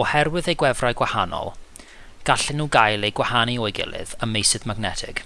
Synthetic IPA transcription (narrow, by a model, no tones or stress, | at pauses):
ɔhɛrwɨðejɡwɛvrajɡwahanɔ̰lˠ | ɡ̥aɬɪnːuɡajlˠejɡwahaniɔɨɡɪ̰lˠɪ̰ðəmːejsɨðmaɡnɛtʰɪ̰ɡ̥